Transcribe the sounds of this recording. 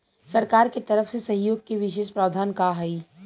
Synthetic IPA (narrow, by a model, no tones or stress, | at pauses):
sɐɾkaːɾket̪ɐɾəfsesɐɦjoːɡ̚keʋɪʃeːʃpɾaːʋd̪ʱaːnkaɦɐi